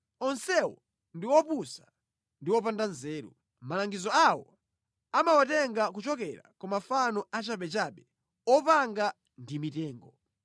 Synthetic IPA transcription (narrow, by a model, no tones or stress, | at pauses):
ɔnsɛwɔ̰ | ndiwɔpusa | ndiwɔpandanzɛːɾṵ | malaŋɡizɔawɔ | amawatɛŋɡak̬ut͡ʃɔkɛɾa̰kɔmafanɔʔat͡ʃaɓɛt͡ʃaɓɛ | ɔpaŋɡa | ndimitɛːŋɡɔ